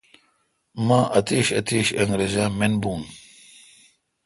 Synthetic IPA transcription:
maːʔɐt̪eɕɐt̪eːɕɐŋɡɾezamenbuːn

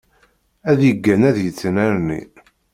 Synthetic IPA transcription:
æðjəɡːænæðjət͡sːənæɾnḭ

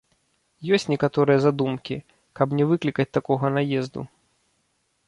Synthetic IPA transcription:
jɔsʲt͡sʲnʲɛkat̪ɔɾɨjɐzad̪umkʲi | kɐbnʲɛvɨklʲikɐt͡s̚ʲt̪akɔɣɐnajɛzd̪ṵ

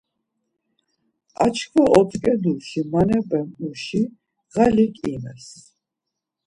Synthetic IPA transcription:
a̰t͡ʃʰkʰwaʔɔt̪ʼkʼɛd̪ulʃimanɛbʼɛmʼuʃi | ʁalikʼimɛ̰s

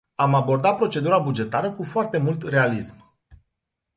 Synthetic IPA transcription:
amabo̞rd̪at̪̚pɾo̞t͡ʃe̞d̪uɾabud͡ʒe̞t̪aɾəkufoart̪e̞mult̪re̞alism

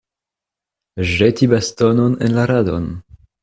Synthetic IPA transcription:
ʒetibastononḛnlaɾado̰n

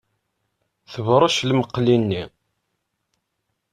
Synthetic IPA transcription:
θəvɾˤɑʃlməqːlinːi

